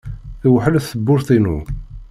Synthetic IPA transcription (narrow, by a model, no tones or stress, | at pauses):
θiwəħəlæθθəbːʊɾθinu